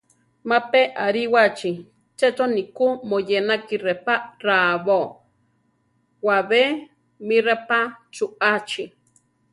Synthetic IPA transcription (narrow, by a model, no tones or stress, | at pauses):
mapeʔaɾiwat͡ʃi | t͡ʃet͡sonikumojenakirepaɾaβo | waβe | mirepat͡ʃuat͡ʃi